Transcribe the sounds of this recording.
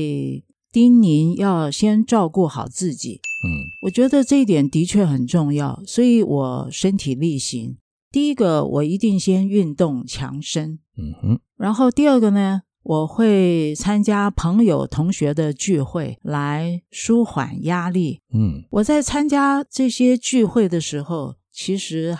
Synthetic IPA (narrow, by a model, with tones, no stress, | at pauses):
t̪i˥nni˧˥njɑ˥˧ʊɕjɛ˥nʈ͡ʂɑ˥˧ʊku˥˩xɑ˨˩ʊt͡sɹ̩˥˩t͡ɕḭ˨˩˦wɔ˨˩t͡ɕɥɛ˧˥d̪ə˧ʈ͡ʂɤ˥˧i˥˩t̪̬jɛ˨˩nt̪i˧˥t͡ɕʰɥɛ˥˩xə˨˩nʈ͡ʂʊ˥˧ŋjɑ˥˩ʊswɔ˧˥i˧˥wʔɔ˨˩˦ʂə˥nt̪ʰi˨˩li˥˩ɕḭ˧˥ŋ | t̪i˥˩˧i˥ɡə˧wʔɔ̰˨˩i˧˥t̪i˥˩ŋɕjɛ˥ny˥˧nt̪ʊ˥˩ŋt͡ɕʰjɑ̰˧˥ŋʂə˥n | ɻa˧˥nxo˥˧ʊt̪i˥˧ə˞˥˩ɡə˨nə˩ | wɔ˨˩xwe˥˧ɪt͡sʰa˥nt͡ɕja˥pʰɤ˧˥ŋjo˨˩ʊt̪ʰʊ˧˥ŋɕɥɛ˧˥d̪ə˧t͡ɕy˥˧xwe˥˩ɪla˧˥ɪʂu˥xwa̰˨˩nja˥li˥˩˥wɔ˨˩t͡sa˥˩ɪt͡sʰa˥nt͡ɕja˥ʈ͡ʂɤ˥˩ɕjɛ˥t͡ɕy˥˧xwe˥˩ɪd̪ə˩ʂɻ̩˧˥xo˥˧ʊ | t͡ɕʰi˧˥ʂɻ̩˧˥